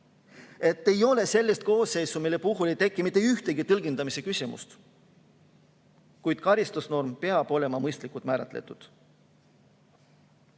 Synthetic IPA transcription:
e̞t̪ːe̞jo̞le̞se̞lʲːist̪̚ko̞ːsːe̞jsumilːe̞puɦulejt̪e̞kˑːimit̪ːˑeyht̪e̞ɡ̥it̪ɤlɡend̪̥ɑmise̞kysʲimṵst̪ | kujd̪̥kɑɾist̪usno̞rmpe̞ɑb̥o̞le̞mɑmɤjst̪likːˑult̪mæːɾɑt̪ˑle̞̰t̪ːˑud̪̥

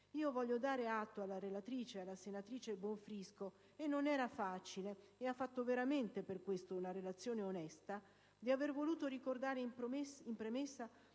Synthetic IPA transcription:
iːovɔʎːod̪aːɾeat̪ːoalːaɾelat̪ɾiːt͡ʃealːasenat̪ɾiːt͡ʃebwɔɱfɾisko | enːonɛːɾafaːt͡ʃileeafːat̪ːoveɾament̪eperkwest̪ounaɾelat̪sːjoːneonɛst̪a | d̪iavervoluːt̪oɾikord̪aːɾepimpɾemesːa

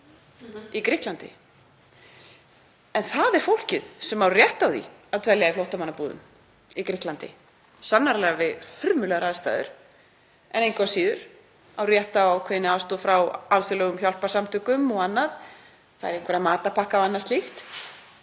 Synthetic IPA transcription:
ikɾɪht̪lant̪ɪ̰ | ɛnθaðɛɾ̥fowl̥cɪð̥sɛmawrjɛht̪awðḭaðt̪ʰvɛljaiflowht̪amanːapuːðʏ̰m | ikɾɪht̪lant̪ɪ̰ | sanːaɾlɛːɣavɪðhʏɾmʏlɛɣaɾaðst̪a̰ːðʏ̰ɾ̥ | ɛnejŋkʰvasiːðʏɾ̥ | awrjɛht̪aawkʰvɛːðɪnɪawst̪uːfɾawalsʏlœɣʏmçɔl̥pḁsamt̪ʰʏkʏmɔɣanːað | θaðɛɾejŋ̥kʰvɛɾaðmaːt̪apʰahkavanːast̪lixt̪

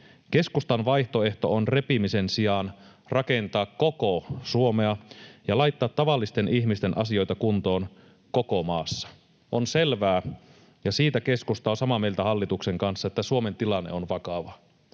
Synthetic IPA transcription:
ke̞skust̪ɑnʋɑjht̪o̞e̞ht̪o̞̰onre̞pimise̞nsiɑn | rɑke̞nt̪ɑːkkokosuomeɑjɑlɑjt̪ːɑːt̪ːɑʋɑlːist̪e̞nʔiçmist̪e̞nʔɑsio̞jt̪ɑkunt̪o̞ːn | ko̞komɑːsːɑ̥ | onselʋæː | jɑsiːt̪æke̞skust̪ɑːsɑmɑmejlt̪æhɑlːit̪ukse̞ŋkɑnsːɑet̪ːæsuo̞me̞nt̪ilɑnːḛonʋɑkɑʋɑ

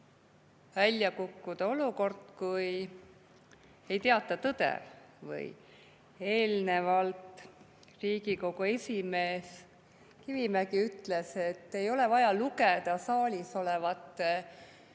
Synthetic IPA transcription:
vælʲjɑkukːud̪̥ɑo̞luko̞rd̪kuj | e̞jt̪eɑt̪ːˑɑt̪ɤd̪̥ḛ | vɯ̰j | e̞ːlne̞vɑlt̪ | riːɡiko̞ɡue̞sʲime̞ːs | kivimæɡiyt̪ːˑle̞se̞t̪ːe̞jo̞le̞vɑjɑluked̪ɑsɑːlʲiso̞levɑt̪ːe

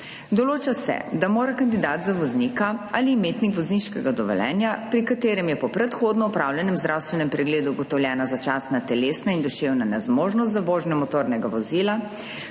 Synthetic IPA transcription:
d̪ɔloːt͡ʃasɛ̰d̪amoːɾakand̪id̪aːt̪zaʋɔznikaaliːmeːt̪nikʋɔzniʃkɛɡad̪ɔʋɛ̰lɛ̰ːnjapɾikat̪eːɾɛmjɛpɔpɾɛt̪xoːd̪nɔɔpɾawljɛnɛmzd̪ɾawst̪ʋɛnɛmpɾɛɡleːd̪uːɡɔt̪ɔwljɛːnazat͡ʃaːsnat̪ɛleːsnaind̪ɔʃewnanɛzmoːʒnɔs̬t̪zaʋoʒnɛmɔt̪oːɾnɛɡaʋɔziːla

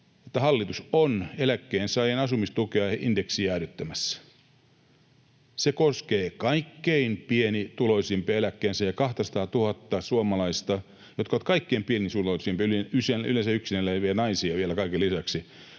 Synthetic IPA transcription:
et̪ːæhɑlːit̪usonelækːeːnsɑijenɑsumist̪ukeɑindeksiæːryt̪ːæmæsːæ̥ | sekoskeːkɑikːeinpienit̪uloisimpielækːeːnsæjɑkɑht̪ɑsɑ̥t̪ɑːt̪uhɑt̪ːɑsuomɑlɑist̪ɑ | jot̪kɑʋːt̪kɑikːeːmpienisuloisimpiyliyseylensæyksinelːæʋienɑisiɑʋielækɑikelisæksi

